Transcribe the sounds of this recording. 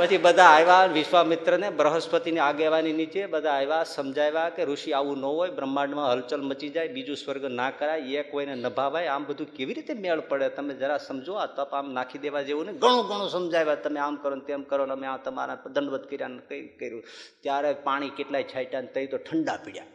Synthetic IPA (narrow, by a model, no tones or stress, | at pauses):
bəd͡ʒibəd̪ʱaːjʋaənʋɪʃʋamɪt̪ɾənebɾəɦəspət̪ineaɡeʋaninit͡ʃebəd̪ʱaːjʋasəmd͡ʒʱajʋakeɾuʃiaʋũnəɦoːjbɾəmːaɳmãɦəlt͡ʃəlmət͡ʃid͡ʒajbid͡ʒũswəɾɡnakəɾajjekoinenɐbʱaːʋajaːmbəd̪ʱũkeʋiɾit̪emeɭpəɽet̪əmẽd͡ʒəɾasɐmd͡ʒoat̪oapaːmnakʰid̪eʋad͡ʒeũneɡʱəɽ̃õɡəɽ̃õsəmd͡ʒajʋat̪əmẽaːmkəɾont̪emkəɾonəmeaːt̪əma̰ɾãd̪ʱənʋəd̪̚kəɾjanəkəikəɾjũt̪jaɾepaːɽ̃ikeʈlaːit͡ʃʰajʈant̪əɦit̪oʈʰəɳɖapiɽja